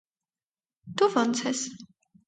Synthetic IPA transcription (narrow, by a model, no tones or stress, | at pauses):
d̪uvɔnt͡sʰɛs